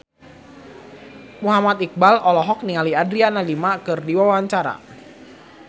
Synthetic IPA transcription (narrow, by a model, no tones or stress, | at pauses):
muɦamat̪ik̚balʔɔlɔɦɔk̚niŋaliadɾianalimakɨrdiwawaɲt͡ʃaɾa̰